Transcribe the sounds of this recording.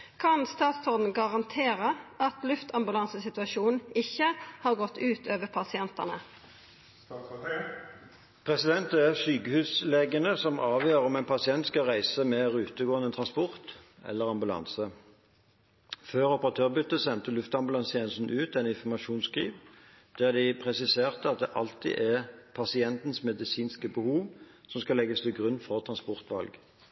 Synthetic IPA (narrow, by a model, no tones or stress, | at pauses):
kʰɑnst̪ɑːt̪sɔʁd̪n̩ɡɑʁɑnt̪ʰeːʁəʔɑt̪lʉft̪ʰɑmbʉlɑnsəsɪt̪ʉʋɑʃuːn̩ɪçːəhɑːʁɡɔt̪ːʉːt̪ʰøːʋəʁpʰɑsɪɛnt̪ɑ̰nə | pʰʁɛsɪd̪ɛnt̪ɛæsyːkəhʉːsleːɡənəsɔmɑːʋjøːʁɔmɛɪnpʰɑsɪɛnt̪skɑʁæɪsəmɛʁʉːt̪əɡoːənət̪ʰʁɑnspɔʁt̪ɛ̰lːəʁɑmbʉlɑ̰nsə | føːʁɔpəʁɑt̪ʰøːʁbʏt̪ːəsɛnt̪əlʉft̪ɑmbʉlɑnst̪ʰjɛːnəst̪n̩ʔʉːt̪ɛnɪnfɔmɑʃuːnskʁḭːʋ | d̪̥æʁd̪ɪpʰʁɛsɪseːʁt̪əɑt̪̚d̪ɛʔɑlt̪ḭʔæʁpʰɑsɪɛnt̪n̩smɛd̪ɪsiːnskəbəhuːʋ | sɔmskɑlɛɡəst̪ʰɪlɡʁʉnːfɔʁt̪ʰʁɑnspɔʁt̪ʋɑ̰lɡ